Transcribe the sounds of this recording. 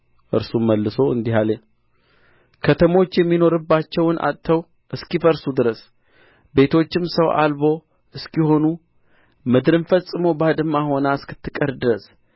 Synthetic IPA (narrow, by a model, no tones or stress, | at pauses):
ʔɨ̰ɾsumːəlːɨso̞ɨnd̪iɦale | kʰət̪ʰəmo̞t͡ʃːjɛmːino̞ɾɨbːat͡ʃːɛwnʔa̰t̪t̪ʰːəw | ʔɨskifəɾsud̪ɨɾəs | be̞t̪ʰo̞t͡ʃːɪmsəwʔa̰lbo̞ | ʔɨskiho̞nu | mɨd̪ɾɨnfəsʼɨmo̞bad̪ɨmːaho̞naɨskɨ̥t̪ʰːɨkʼəɾd̪ɨɾəs